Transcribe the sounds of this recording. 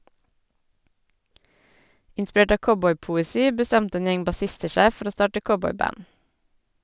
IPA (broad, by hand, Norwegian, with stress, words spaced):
ʔɪnˈspɹeːʈ ˈɑː ˈkɔbɔʏpʊɛˌsiː bəˈstɛntə ˈeːn ˈjɛŋ bɑˈsɪstə ˈʃæɪ ˈfɔɾ ˈoː ˈstɑːʈə ˈkɔbɔʏˌbæn